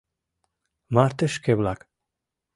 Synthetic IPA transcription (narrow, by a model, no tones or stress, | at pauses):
maːɾt̪əʃkʰeblak